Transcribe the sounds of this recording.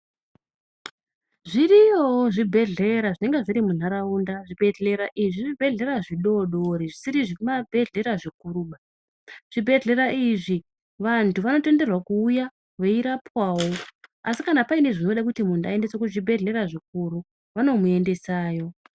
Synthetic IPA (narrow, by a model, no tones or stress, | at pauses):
ʐirijoʐibʱe̞ɮe̞ɾaʐine̞ŋɡe̞ʐiɾimun̤aɾaundaʐibʱe̞ɮe̞ɾaʔiʐiʐibʱe̞ɮe̞ɾaʐiɗo̞ɗoɾiʐisiɾiʐimabʱe̞ɮe̞ɾaʐikuɾuɓa | ʐ̥ibʱe̞ɮe̞ɾaʔiʐi | ʋantʰuʋano̞te̞nde̞rwakuːja | ʋeiɾapwaːwo̞asikanapaine̞ʐino̞ɗakutimundaende̞sokuiʐibʱe̞ɮe̞ɾaʐik̚uɾu | ʋano̞mue̞nde̞saːjo̞